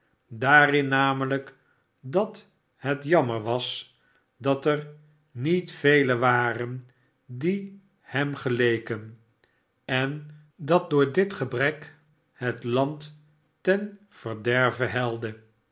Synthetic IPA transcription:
daːrɪnːaːmələk | dɑt | ɦətjɑməɹʋɑs | dɑtɛr | nitfejləʋaːrən | di | hɛmχəlejkən | ɛn | dɑt̚dʊːɹdɪtχəbrɛk | ɦətlɑnt | tɛn | v̥əɹdɛɹvəɦɛlˠdə

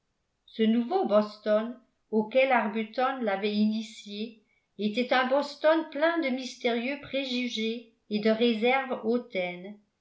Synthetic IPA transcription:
sənuvobɔst̪ɔn | okʲɛlaʁbyt̪ɔnlavɛinisje | et̪ɛt̪ɛ̃bɔst̪ɔnplɛ̃d̪əmist̪eʁjøpχeʒyʒeː | d̪əʁezɛʁvot̪ɛn

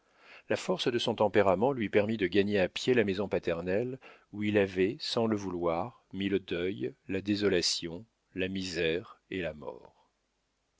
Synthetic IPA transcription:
lafɔʁsd̪əsɔ̃t̪ɑ̃peʁamɑ̃lɥipɛʁmid̪əɡaɲeapjelamezɔ̃pat̪ɛʁnɛluilavɛsɑ̃ləvulwaʁmiləd̪œjlad̪ezɔlasjɔ̃ | lamizɛʁelamɔ̰ːʁ

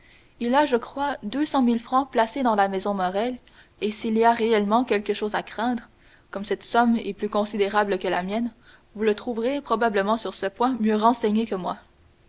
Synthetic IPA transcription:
ilaʒəkχwad̪øsɑ̃milfχɑ̃plased̪ɑ̃lamɛzɔ̃mɔʁɛl | esiliaʁeɛlmɑ̃kʲɛlkəʃoːzakχɛ̃d̪ʁə | kɔmsɛt̪sɔmɛplykɔ̃sid̪eʁabləkəlamjɛn | vulət̪χuvʁepχɔbabləmɑ̃syʁsəpwɛ̃mjøʁɑ̃sɛɲekəmwa

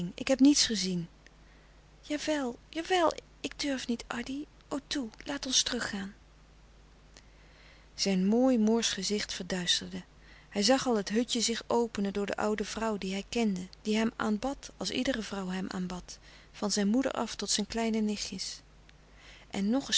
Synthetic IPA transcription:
ŋɪ̰kɦɛpnitsχəzin | jaːʋɛlˠjaːʋɛlˠ | ɪɡ̚døɹfnitʔɑɹdi | owtulaːtɔnstərɵχːaːn | z̥ɛjnmoːjmʊːɹsχəzɪχtfəɹdœɥstəɹdə | hɛjzɑχɑlˠɦətɦɵtəzɪχowpənəndʊːɹdə̰ʔʌwdəvrʌwdiɦɛjkɛndəd̥iɦɛma̰ːnbɑtɑlˠsḭdərəvrʌwɦɛmʔa̰ːnbɑt | fɑnzɛjnmudə̰ɹʔɑ̰ftɔtsɛjnklɛjnənɪχjəs | ʔɛnːɔχə

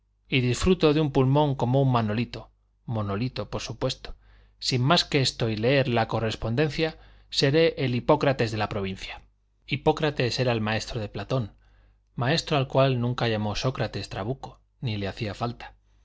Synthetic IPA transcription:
iðisfɾut̪o̞ðeumpulmõ̞ŋko̞mouŋmano̞lit̪o̞ | mo̞no̞lit̪o̞po̞ɾsupwe̞st̪o̥ | simmaskeest̪o̞ile̞eɾlako̞re̞spo̞nd̪e̞nθja | se̞ɾe̞ʔːlipo̞kɾat̪e̞zðe̞lapɾo̞β̞in̟θja | ipo̞kɾat̪e̞se̞ɾaelmae̞st̪ɾoð̞eplat̪o̞n | mae̞st̪ɾoalkwalnũŋkaʝamo̞so̞kɾat̪e̞st̪ɾaβ̞uko̞ | nile̞aθiafalt̪ḁ

